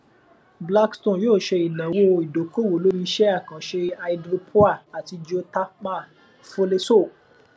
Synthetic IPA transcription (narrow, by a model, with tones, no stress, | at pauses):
bla˦kstõ˦˨joː˦˨ʃe˧i˨nɛ̃˨wo˧i˨do˨ko˦˨wo˨˦lo˨˦mĩ˧ʃɛ˦a˦˨kã˨ʃe˧a˧i˧dɾo˧pʰo˦a˦˨a˨ti˧d͡ʒi˦o˧ta˦k͡pã˦˨ | fo˧le˧so˦˨